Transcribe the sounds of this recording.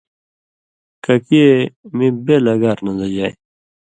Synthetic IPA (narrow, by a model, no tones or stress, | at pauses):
kɐkiemibelɐɡaɾnɐd̪ɐd͡ʑaːj